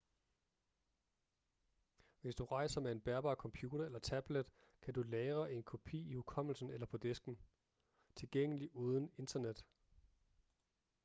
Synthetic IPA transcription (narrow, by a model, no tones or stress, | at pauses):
ʋe̝sd̥uʁɑ̈ɪsɐmee̝nb̥æɐb̥ɑ̰̈ːkʰɒ̽mpʰjuːɾ̥ɐelɐt͡sʰæb̥led̥ | kʰædulɛːʁɐʔe̝nkʰo̝pʰḭːihukʰɒ̽m̰l̩sn̩elɐpʰɒ̽d̥e̝sɡ̥n̩ | t͡sʰe̝lɡ̥eŋ̰əliʔuːð̞ˠən̩e̝nd̥ɐned̥